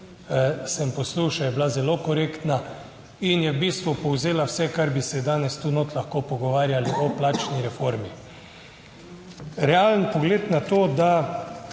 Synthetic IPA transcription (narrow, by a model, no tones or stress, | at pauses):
sɛmpɔsluːʃajɛblazɛloːkɔɾeːkt̪na | injɛbiːst̪ʋupɔwzeːlawsɛkaɾbisɛd̪aːnɛst̪uːnot̪laxkoːpɔɡɔʋaːɾjaliʔɔplaːt͡ʃniɾɛfoɾmi | ɾɛalənpɔɡleːt̪nat̪oːd̪a